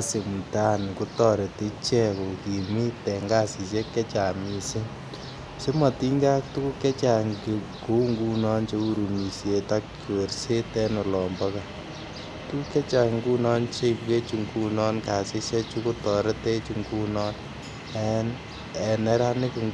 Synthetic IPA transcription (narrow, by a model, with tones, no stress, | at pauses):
ase˨m̩˨ta˦nku˦tɔ˨ɾe˨te˦t͡ʃɛ˦ko˨ki˨mi˦tɛ˨ŋɡa˦si˨sɛ˦kːɛ˦t͡ʃa˨mi˨se˦ | se˦ma˨ti˦ŋɡa˦ktu˦ku˦kɛ˦t͡ʃa˨ŋɡi˨ | ku˦ŋɡu˦nɔ˦nt͡ʃe˦u˦ɾu˨mi˨sje˨ta˦k | o˨ɾse˦tɛ˦no˨lɔmbɔ˦ka | tu˦ku˦kɛ˦t͡ʃa˨ŋɡu˦nɔ˦nt͡ʃe˦ipke˦t͡ʃu˨ŋɡu˦nɔ˦nka˨si˦se˦t͡ʃu˦ku˦tɔ˨ɾɛ˦te˦t͡ʃuŋɡu˦nɔ˦n | ɛ˦n | ɛ˨nɛ˦ɾa˦ne˦ku˨ŋ